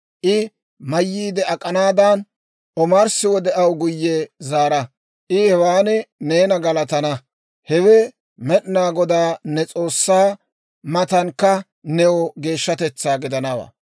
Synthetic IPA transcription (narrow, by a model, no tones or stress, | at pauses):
ʔɪ | mɐjːiːd̪ɛɐkʼɐnaːd̪ɐn | ɔmaɾsɪwɔd̪ɛʔɐwɡʊjːɛzaːɾɐ | ʔɪhɛwaːnɪne̞ːnɐɡɐlɐt̪ɐnɐ | hɛwɛ | mɛɗnaːɡɔd̪aːnɛt͡sʼo̞ːsːaː | mɐt̪ɐnkːɐ | nɛɔɡe̞ːʃːɐt̪ɛt͡sːaːɡɪd̪ɐnɐwɐ̰